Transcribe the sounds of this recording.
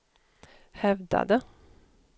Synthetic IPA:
hɛvd̪a̰d̪ə

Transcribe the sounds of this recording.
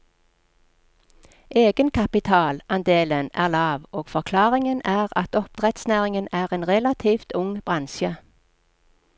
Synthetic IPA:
ʔeːɡənkʰɑpɪt̪ʰɑːlɑnd̪eːlənæ̰ːʁlɑːʋoːɡ̥fɔʁkʰlɑːʁɪŋənæːʁɑt̪ɔp̚d̪̥ʁɛt̪snæːʁɪŋənæːʁeːnʁɛlɑt̪ʰiːft̪ʰʊŋb̥ʁɑnʃə

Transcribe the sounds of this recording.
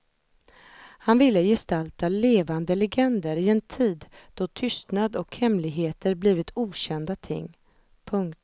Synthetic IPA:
hanvɪlːəjɛst̪alt̪aleːvand̪əlɛɡɛnd̪əɾɪɛnt̪ʰiːd̪d̪̥ɔt̪ʰʏst̪nad̪ɔkhɛmlɪɡɦeːt̪əɾbliːvɪt̪ʰuːɕɛnd̪at̪ʰɪ̰ŋː | pʰɵŋkt̪

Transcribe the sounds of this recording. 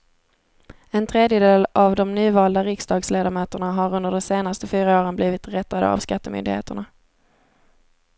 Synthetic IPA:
ɛnt̪ʰɾeːd̪jəd̪eːlavd̪ɔmnyːvɑːld̪aɾɪksd̪ɑːɡsleːd̪aɾmœːt̪əɳaɦaɾɵnd̪əɖɔmseːnast̪əfyːɾaoːɾənbliːvɪt̪ɾɛt̪ːad̪ə̰a̰vskat̪ːəmʏ̰nd̪ɪ̰hḛːt̪əɳa

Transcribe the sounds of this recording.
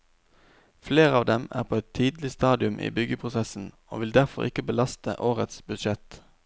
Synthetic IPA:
fleːʁəɑːʋd̪ɛmæ̰ːʁpʰoːɛt̪ʰiːd̪l̩ɪst̪ɑːd̪ɪʉmʔḭːbʏɡəpʰʁʊsɛsn̩ | o̰ːʋɪld̪æʁfɔ̰ʁɪkəbəlɑst̪ə̰ʔoːʁət̪sbʉd̪ʃɛt̪

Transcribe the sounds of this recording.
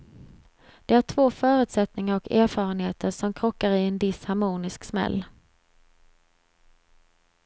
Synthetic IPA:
d̪̥ɛæʈʰvoːfœːɾʉ̟ːt̪sɛt̪nɪŋaɾɔkeːɾfɑːɾənheːt̪ʰəɾʂɔmkʰɾɔkːaɾɪɛnd̪ɪshaɾmuːnɪsksmɛ̰lː

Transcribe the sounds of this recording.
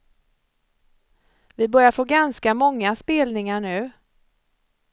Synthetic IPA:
vɪbœɾjaɾfoːɡanskamɔŋːaspeːlnɪŋaɳʉ̟ː

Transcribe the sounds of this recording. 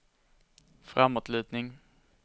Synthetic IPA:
fɾa̰mːot̪lʉ̟ːt̪nɪŋ

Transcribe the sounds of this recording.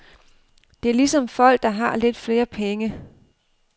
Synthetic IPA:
d̥e̝æɐlisɒ̽mfɒ̽l̰ɡ̥̚d̥ɑ̈ɦɑ̈le̝d̥fle̝ːɐpʰeŋə

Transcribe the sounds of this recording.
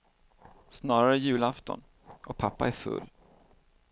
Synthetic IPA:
snɑːɾaɾəæjʉ̟ːlaft̪ɔ̰n | ʔɔpʰapːaæɾfɵ̰lː

